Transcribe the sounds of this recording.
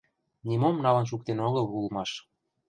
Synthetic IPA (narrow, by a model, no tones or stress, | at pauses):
nimomnɑlə̆nʃ̬uk̚t̪enoɣɤlulmɑʃ